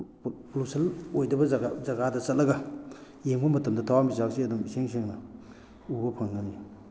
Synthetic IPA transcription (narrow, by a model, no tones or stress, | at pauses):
plusɐlojdɐbɐzɐɡadɐsɐtlɐɡa | jemɡʰunmɐtɐmdɐtʰawamizawsiɐdumiseŋseŋnɐ | ubɐpʰaŋɡɐni